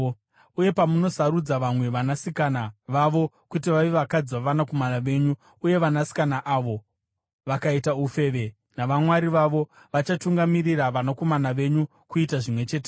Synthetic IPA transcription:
uje̞pamuno̞saɾud͡zaʋamwe̞ʋanasikanaʋaʋo̞ | kutiʋaʋeʋakad͡ziʋaʋanakomanaʋe̞ːɲu | uje̞ʋanasi̥kanaʔaʋo̞ | ʋakaitaufe̞ːʋe | naʋamwaɾiʋaʋo̞ | ʋat͡ʃatuŋɡamiriraʋanako̞manaʋe̞ɲu | kuitaʐimwe̞t͡ʃe̞ːt̬e

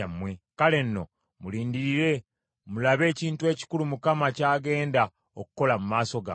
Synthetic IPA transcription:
mːwe̞kale̞nːo̞̰ | muliːndiɾiɾe̞ | mulaβe̞ːciːntue̞ːci̥kulumukamacaːɡe̞ːnda | okuko̞lamumaːso̞ɡa̰

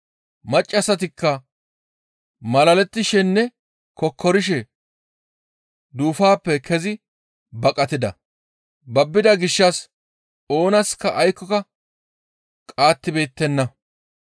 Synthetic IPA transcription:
mɐt͡ʃʼːɐsɐt̪̬ɪkːɐ | mɐlɐlɛt̪ːɪʃɛnːɛ | kɔkʰːɔɾɪʃ̬ɛ | d̪uːfaːpːɛkʰɛzɪ | bɐkʼɐt̪ɪd̪ɐ | bɐbːɪd̪ɐɡɪʃːɐs | o̞ːnɐskːɐʔɐjkːɔkɐ | kʼaːt̪ːɪbe̞ːt̪ːɛnːɐ

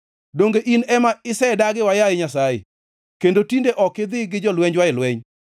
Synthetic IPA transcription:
doŋɡeʔinɛmaɪsɛdaɡɪwajaɪɲasajḛ | kendotindeʔɔkɪd̪ɪɡɪd͡ʒɔlwɛɲd͡ʒwaɪlwɛɲ

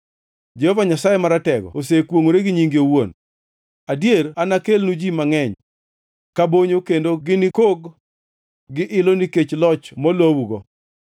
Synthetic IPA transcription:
d͡ʒehovaɲasajemaɾatɛɡɔ̰osekwoŋoɾeɡɪɲiŋɡiowon | adjeɾanakelnud͡ʒimaŋɛɲ | kaboɲokendoɡɪnɪkoɡ | ɡɪʔɪloniket͡ʃlɔt͡ʃmɔlowuɡɔ

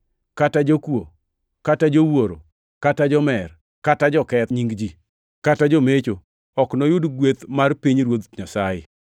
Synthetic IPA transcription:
katad͡ʒokwo | katad͡ʒowoɾo̰ | katad͡ʒɔmɛr | katad͡ʒɔkɛt̪ɲiŋɡd͡ʒi | katad͡ʒɔmet͡ʃo | ɔknɔjʊdɡwet̪marpiɲɾwot̪ɲasajɪ̰

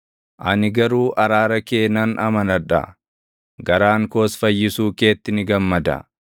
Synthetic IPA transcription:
ʔɐnɪɡɐɾuːʔɐɾaːɾɐkeːnɐnɐmɐnɐᶑɐ̰ | ɡɐɾaːŋko̞ːsfɐjːɪsuːke̞ːt̪ːɪnɪɡɐmːɐd̪ɐ̰

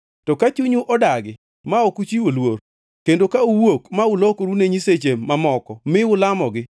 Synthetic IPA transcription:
tɔkat͡ʃuɲuʔɔdaɡɪ | maɔkut͡ʃiolwoɾ | kendokauwokmaʊlokoɾuneɲiset͡ʃemːamɔkɔmɪʊlamɔɡɪ

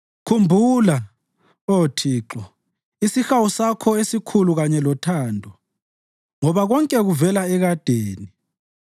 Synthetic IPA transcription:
kʰumbʱula | otʰiːǁɔ | isixawusakʰɔesikʰuluɣaɲɛlɔtʰaːndʱɔ | ŋɔβaɣɔŋkʼɛɣuvɛlaɛɣad̥ʱeːni

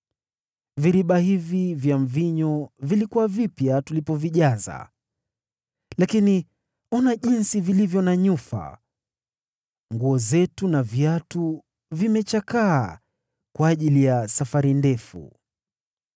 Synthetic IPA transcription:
viɾiɓahivivjaɱviɲɔvilikuwavipjatulipɔviʄaza̰ | lakini | ɔnaʄinsivilivjɔnaɲufa̰ | ŋɡuɔzɛtunavjatu | vimɛt͡ʃakaː | kwaːʄilijasafaɾindɛfṵ

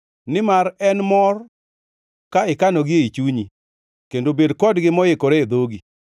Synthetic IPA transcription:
nɪmaɾɛnmɔr | kaɪkanoɡɪit͡ʃuɲi | kendobedkɔdɡɪmɔjɪkoɾeed̪oɡi

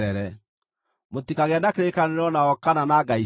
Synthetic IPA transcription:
ɾɛɾɛ | motikaɣɛnakeɾekaneɾɔnaɔkananaɡai

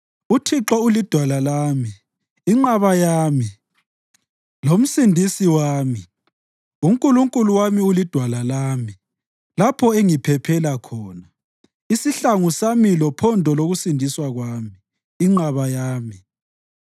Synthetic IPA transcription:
utʰiǁɔulid̥ʱwalalaːmiː | ŋ͡ǁaβajaːmi | lom̩sindʱisiwaːmi | uŋkʼuluŋkʼuluwamiulid̥ʱwalalaːmi | lapʰɔeŋipʰɛpʰɛlakʰɔːna | isiɬaŋusamilɔpʰɔndʱɔloɣusindʱiswaɣwaːmiː | ŋ͡ǃaβajaːmi

